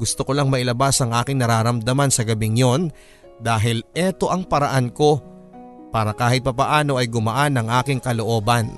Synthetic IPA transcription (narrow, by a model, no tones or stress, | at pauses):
ɡʊst̪okolaŋmɐʔɪlɐbasɐŋʔaːkɪŋnɐɾaːɾɐmd̪ɐmansɐɡɐbɪŋjo̞n | d̪aːɦɪlʔɛt̪o̞ʔɐŋpɐɾɐʔanko̞ | paːɾɐkaːɦɪt̪̚pɐpɐʔaːno̞ʔɐjɡʊmɐʔanɐŋʔaːkɪŋkɐlo̞ʔo̞ːbɐn